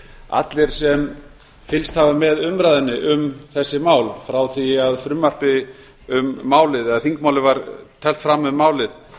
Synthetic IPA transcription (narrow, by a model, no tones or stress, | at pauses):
a̰t̪lɪɾ̥sɛm | fɪlst̪havamɛðʏmɾajðɪnːɪʔʏmθɛsːɪmaːwlfɾawθiaðfɾʏmːar̥pɪ | ʏmːaːwlɪðɛɣðaθiŋkmaːwlɪvaɾt̪ʰɛl̥t̪fɾamːʏmaːwlɪð